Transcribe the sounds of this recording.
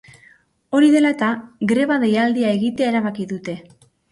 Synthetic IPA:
o̞ɾiðe̞laet̪aɡɾe̞βaðejald̪iae̞ɣit̪eae̞ɾaβakiðut̪e̞

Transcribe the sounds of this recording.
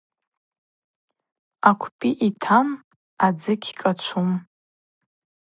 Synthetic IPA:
akʷʰpʼiʔitʰam | ad͡zɨkʲʰkʼat͡ʃʷʰum

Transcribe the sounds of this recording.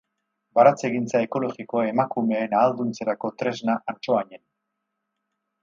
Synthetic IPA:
baɾat͡se̞ɣint͡sae̞ko̞loɣiko̞aemakume̞enaːld̪unt͡seɾako̞t̪ɾe̞znaʔant͡ʃo̞aɲen

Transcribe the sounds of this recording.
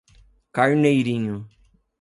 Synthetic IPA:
kaɾnejɾĩɲʊ

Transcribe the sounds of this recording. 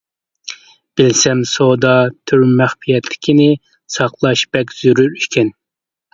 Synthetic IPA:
b̥ɪlsɛmsod̪ɑt̪ʰyɾmæχpijɛt̪ʰːɪ̥kʲʰinɪ | sɑqlˠɑʃbɛk̬ʲz̥yɾyɾykʲʰɛn

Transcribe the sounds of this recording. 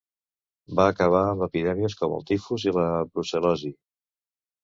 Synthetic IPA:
baːkəβ̞aəməpiðɛmiəskɔmə̰lˠt̪ifuziləβɾusəlɔzi

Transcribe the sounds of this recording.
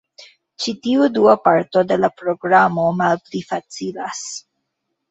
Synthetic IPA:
t͡ʃit̪iuduapaɾto̞de̞lapɾo̞ɡɾamo̞malplifat͡silas

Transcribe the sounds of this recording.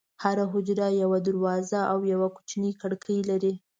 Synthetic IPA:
haɾaɦʊd͡ʒɾajawad̪aɾwɑzaʔawjawaku̥t͡ʃnikaɽkəjlaɾi

